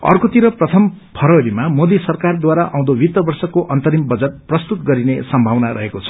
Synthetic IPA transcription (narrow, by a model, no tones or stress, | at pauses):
ʌ̰rkot̪iɾʌprʌt̪ʰʌm | pʰʌɾʌɾimamod̪isʌrkard̪waɾaʔã̰w̃d̪obit̪ːʌbʌrsʌkoʔʌnt̪ʌɾimbʌd͡zʌt̪̚prʌst̪ut̪ɡʌɾinesʌmbʱawnaɾʌɦekot͡sʰʌ̥